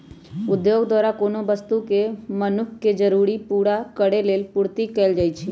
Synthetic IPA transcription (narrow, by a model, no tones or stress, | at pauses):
ʊd̪joɡd̪waːɾakoːnobəst̪ukemənʊkʰːed͡ʒəɾuɾipuɽakəɽeleːlpuɾt̪ikɛːld͡ʒaːjt͡ʃʰi